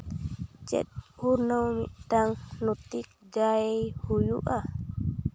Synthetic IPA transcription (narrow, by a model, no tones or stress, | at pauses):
t͡ʃɛ̰t̚huɾnawmḭʔtaŋnut̪ik̚d͡ʒaejhujuʔa